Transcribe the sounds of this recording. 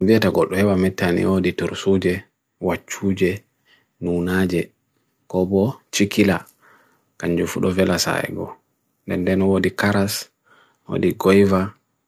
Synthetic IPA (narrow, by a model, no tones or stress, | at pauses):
viataɡɔɗːɔhɛɓamɛtːanḭodituɾsud͡ʒɛ | wat͡ʃːuːd͡ʒɛ | nunaːd͡ʒɛ | kɔbɔt͡ʃikila | kaɲd͡ʒufuɗɔvɛlasa̰ɛ̰ɡɔ̰ | ndɛndɛnɔwodikaɾas | wo̰diɡɔjva